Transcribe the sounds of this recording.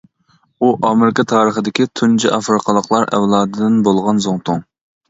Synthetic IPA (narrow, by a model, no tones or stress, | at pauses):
uʔɑmɪɾɪkɑt̪ʰɑːɾəχəd̪ɪkʲit̪ʰund͡ʒiʔɑfɾɨqʰəlˠəqlˠɑɾɛ̰wlˠɑːd̪ɨd̪ɪnbolˠʁɑnzoŋt̪ʰʊŋ